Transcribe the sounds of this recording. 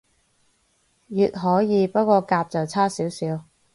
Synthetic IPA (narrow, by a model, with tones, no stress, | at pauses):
jyː˨t̚ɦɔː˨˥jiː˨˧pɐ˥t̚kʷɔː˧kaː˧p̚t͡sɐ˨wt͡sʰaː˥siː˨˥wsiː˨˥w